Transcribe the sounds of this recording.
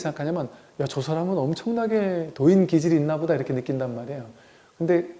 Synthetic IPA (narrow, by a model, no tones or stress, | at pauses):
sʰeŋɡakʰaɲamjʌn | jat͡ɕosʰaɾaŋɯnʌmt͡ɕʰʌŋnaɡe̞toinkid͡ʑiɾiːnːabodaiɾʌkʰe̞nɯk͈indanmaɾejo | kɯnde̞